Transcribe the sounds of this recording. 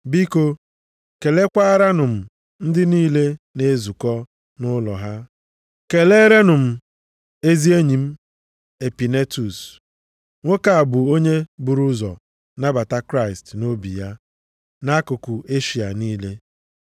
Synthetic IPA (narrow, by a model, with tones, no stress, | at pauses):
bi˦ko˦ | ke˨le˦kʷa˦ɾa˦nʊ˨m̩˨ | n̩˦dɪ˦niː˦le˦ne˦zu˨kɔ˦ | nʊ˦lɔ̰˨ɦa˦ | ke˨le˦ɾe˦nʊ˨m̩˨ | e˦zi˦e˦ɲi˨m̩˦ | e˨pi˨ne˦tu˨s | ŋʷo˦ka˨a˨bʊ˨o˦ɲe˦bu˨ɾu˦zɔ̰˨ | na˦ba˨ta˦kɾa˦ɪ˨stno˦bḭ˨ja˦ | na˦kʊ˨ku˨e˦ʃi˨a̰˨niː˦le˦